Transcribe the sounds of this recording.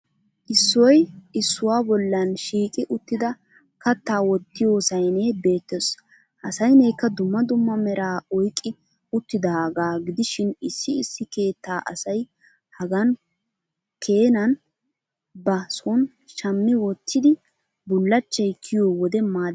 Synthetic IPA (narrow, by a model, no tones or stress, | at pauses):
ʔɪsːɔjɪsːʊwaːbɔlːɐnʃiːkʼɪʔʊt̪ːɪd̪ɐ | kɐt̪ːaːwɔt̪ːɪjoːsɐjnɛbe̞ːt̪ːɔs | ʔɐsɐjnɛjkːɐd̪ʊmːɐd̪ʊmːɐmɛɾaːɔjkʼːɪ | ʊt̪ːɪd̪ɐɡaːɡɪd̪ɪʃɪnɪsːɪɪsːɪke̞ːt̪ːaːʔɐsɐj | hɐɡɐn | kʰe̞ːnɐn | bɐsɔn | ʃɐmːɪwɔt̪ʰːɪd̪ɪ | bʊlːɐt͡ʃːɐjkʰɪjoːwɔd̪ɛmaːd̪